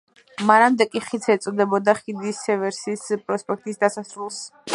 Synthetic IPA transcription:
maɾamd̪ɛkʼiχit̪sʰɛt̪sʼɔd̪ɛbɔd̪aχid̪isɛvɛɾsispʼɾɔspʼɛk̚t̪ʼisd̪asasɾulˠs

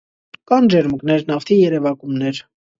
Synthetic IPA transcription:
kɑnd͡ʒɛɾməknɛɾnɑft̪ʰijɛɾɛvɑkumnɛɾ

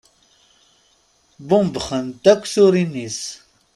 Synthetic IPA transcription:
bumbəχənt̪ɐkʷsuɾinis

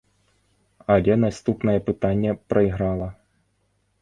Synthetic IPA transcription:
ɐlʲɛnast̪upnɐjɛpɨt̪anʲːɛpɾɐiɣɾalˠɐ

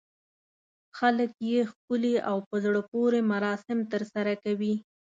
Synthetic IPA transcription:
xaləkjexkʊliʔawpəzɽəpoɾemaɾɑsɪmt̪əɾsaɾakawi

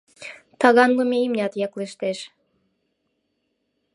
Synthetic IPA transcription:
t̪ɑɣɑnlumeimnʲɑt̪jɑkleʃt̪eʃ

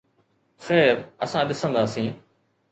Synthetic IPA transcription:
xɛːɾəsãɗɪsə̃nd̪aːsĩː

